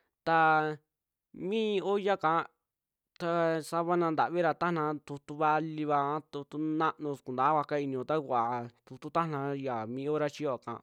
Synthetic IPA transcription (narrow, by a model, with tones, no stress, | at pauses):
t̪a˧ | mĩː˦˧o˦ja˦kã˧˦ | t̪a˧sa˧βa˧nã˧nd̪a̰˨βi˦ɾa˧t̪a˦nã˧˦t̪u˧t̪u˧˦βa˧li˧βa˧˦t̪u˧t̪u˧˦nã˦ʔnũõ˧ku˨nd̪a˨˦βa˧ka˦i˧nĩ˧õ˧t̪a˦kʷa˨t̪u˧t̪u˦t̪a˦nã˧˦ja˨mĩ˧˦o˦ɾa˧t͡ʃi˧jo˧˨kã̰˨